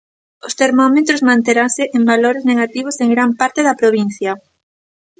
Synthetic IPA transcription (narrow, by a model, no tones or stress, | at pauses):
ʊst̪eɾmɔmet̪ɾozmãnt̪eɾasɪʔembaloɾezneɣat̪iβoseŋɡɾampaɾt̪eðɐpɾoβin̟θjɐ